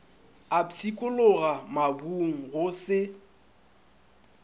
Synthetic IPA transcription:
at͡sʰikʼʊlʊɣamabuŋ̩ɣʊsɪ

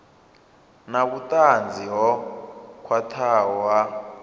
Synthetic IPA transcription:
nak̬utʼand͡zʱiɦɔkʰwatʰawa

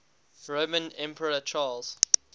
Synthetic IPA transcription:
ɹoːmə̃nɛ̃mpʰəɹət͡ʃʰɑːlz̥

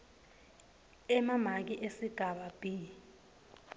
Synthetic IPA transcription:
ɛmam̤ak̬iʔesiɡ̥ʱaɓab̥ʱi

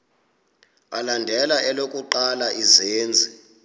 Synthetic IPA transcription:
alandʱɛlaʔɛlokʼuǃalaʔizeːnd͡zʱi

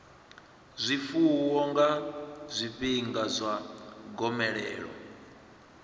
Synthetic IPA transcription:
zʷifuuwɔŋɡazʷibiŋɡazʷaɡɔmɛɺɛːɺɔ̰

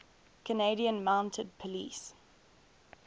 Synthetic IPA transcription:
kʰəneɪɾiə̃nmãʊ̃ntʰəd̚pʰəlḭːˑs

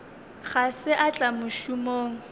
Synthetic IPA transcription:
χasɪʔat͡ɬʼamʊʃʊmoːŋ̩

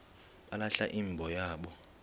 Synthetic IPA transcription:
ɓalaɬaʔiːmbʱɔjaːɓɔ

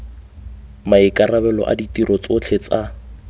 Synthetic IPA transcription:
maɪkʼarabɛlɔ̰ʔa̰ditiɾʔɔt͡sʊt͡ɬʰet͡sa

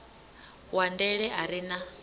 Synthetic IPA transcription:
wandɛɺɛɦaɾina

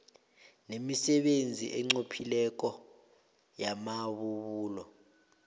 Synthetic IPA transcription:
nemisɛɓend͡zʱḭʔɛŋ͡ǀopʰilɛk̬ɔ | jamaɓuβuːlɔ

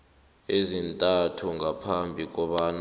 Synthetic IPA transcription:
ezintʼatʰuŋʱapʰambʱik̬ʼɔɓan

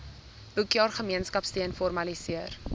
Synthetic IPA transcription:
ʔukjɑːrχəmiənskɐpstiənfɔrmɐlisiər

